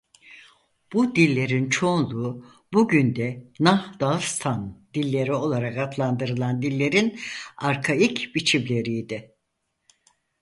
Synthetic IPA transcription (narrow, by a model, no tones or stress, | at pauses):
b̥ud̪ilʲːe̞ɾint͡ʃʰo̞nlˠuː | buɟynd̪ɛnahd̪̥alˠst̪ʰand̪̥ilʲːe̞ɾio̞lˠaɾakat̪ʰlˠand̪ɯɾɯlˠand̪ilʲːe̞ɾinaɾkʰaicbit͡ʃʰimlʲe̞ɾijd̪ɪ